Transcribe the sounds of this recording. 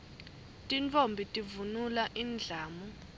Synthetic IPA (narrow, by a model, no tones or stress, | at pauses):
tʼint͡fʰʼombʱitʼivunulaʔind͡ɮʱaːmɔ